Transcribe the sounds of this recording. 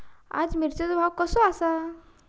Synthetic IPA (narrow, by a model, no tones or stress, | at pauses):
a̰d͡zmiɾt͡set̪bʱawkəsɔasa